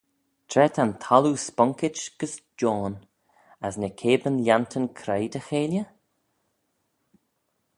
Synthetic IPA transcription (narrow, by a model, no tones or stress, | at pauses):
t̪ʰɾɛt̪ʰant̪ʰɔluːspɔŋkɪt͡ʃɡ̥əsd͡ʒɔːn | əsnəkʰeːbənljant̪ʰənkʰɾejd̪əxeːljə